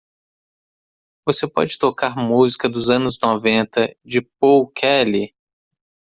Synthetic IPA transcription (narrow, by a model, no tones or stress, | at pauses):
vosepɔ̰d͡ʒɪt̪okaɾmuzikɐd̪ʊzɐ̃nʊznɔvẽnt̪ɐd͡ʒɪpowkʰɛli